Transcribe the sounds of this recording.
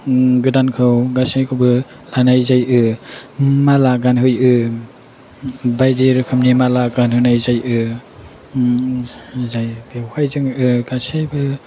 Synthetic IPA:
ɡɯdankʰɯwɡasajkʰɯwbɯ | lanajzajʔɯ | malaɡanɦɯjɯ | bajdiɾkʰɯmnimalaɡanhɯnajzajʔɯ | zajbehajzɯŋɯɡasajbɯ

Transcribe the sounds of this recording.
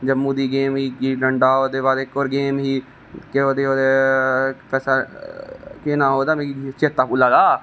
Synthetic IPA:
d͡ʒəmːuːd̪iːɡeːmɦiːkiːɖəɳɖaːoːd̪eːbaːd̪ekːoːɾɡeːmɦiː | keoːd̪eːoːd̪eː | pɛːsaː | kenaːɦoːd̪aːmẽːit͡ʃeːt̪ːaːpuːlːaːd̪aː

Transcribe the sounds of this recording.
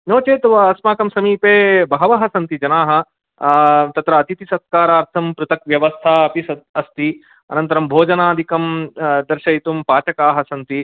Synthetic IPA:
noːt͡ʃeːt̪ʋɐɐsmaːkɐmsɐmiːpeːbɐɦɐʋɐɦɐsɐnt̪id͡ʒɐnaːɦɐ̆ | t̪ɐt̪ɾɐːt̪it̪isɐt̪̚kaːɾaːɾt̪ʰɐmpɾɨt̪ɐk̚ʋjɐʋɐst̪ʰaːɐpisɐd̪̚ɐst̪i | ɐ̰nɐnt̪ɐɾɐmbʱoːd͡ʒɐnaːd̪ʱikɐmd̪ɐɾʃɐjit̪umpaːt͡ʃɐkaːɦɐsɐnt̪i

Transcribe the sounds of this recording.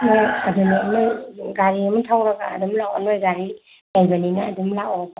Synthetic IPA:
mojadunaanojɡaɾiamatʰawɾaɡa̰ːdumlawa̰nojɡaɾi | lajbɐninaːdumlaɔba

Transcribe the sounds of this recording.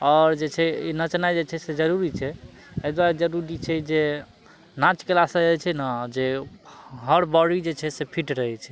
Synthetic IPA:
ɔːɾd͡ʒet͡ʃʰɛinət͡ʃnajd͡ʒet͡ʃʰɛsed͡ʒəɾuɾit͡ʃʰɛ | əjd̪waɾed͡ʒəɾuɾit͡ʃʰɛd͡ʒe | nat͡ʃkelasə̃ət͡ʃʰɛnad͡ʒe | ɦəɾbɔɽid͡ʒet͡ʃʰɛsepʰiʈɾəɦɛt͡ʃʰɛ̥

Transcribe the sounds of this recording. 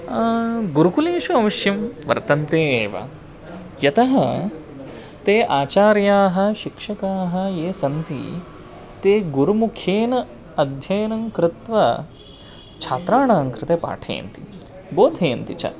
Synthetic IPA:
ɡuɾukuleːʃuɐʋɐʃjɐmʋɐ̰ɾt̪ɐnt̪eːeːʋɐ̰ | jɐt̪ɐɦɐ | t̪eːʔaːt͡ʃaːɾjaːɦɐ̆ʃikʂɐkaːɦɐ̆jeːsɐnt̪ḭ | t̪eːɡuɾumukʰjeːnɐ | ɐd̪ʱjɐjɐnɐŋkɾɪt̪ʋɐ | t͡ʃʰaːt̪ɾaːɳaːŋkɾɪt̪eːpa̰ːʈʰɐ̰ːɐ̰nt̪i | boːd̪ʱeːɐnt̪it͡ʃɐ̰

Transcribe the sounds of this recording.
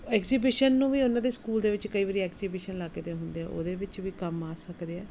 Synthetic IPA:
ɛːkziːbɪʃənːũːʋiːʊnãːd̪eːskuːld̪eːʋɪt͡ʃkəiːʋəːɾiːɛːkziːbɪʃənlaːɡeːt̪eːɦʊnd̪eːɛ̰ːʔo̰ːd̪eːʋɪt͡ʃʋiːkəmaːsəkd̪eːɛː

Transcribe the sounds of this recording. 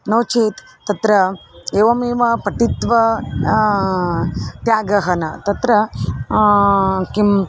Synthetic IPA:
noːt͡ʃiːt̪ːɐt̪ɾɐeːʋɐmiːʋɐpɐʈit̪ʋɐ | t̪jaːɡɐɦɐnɐt̪ɐt̪ɾɐ | kim

